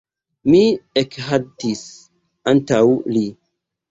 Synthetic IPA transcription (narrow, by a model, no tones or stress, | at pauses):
miɛkɦadis | antawli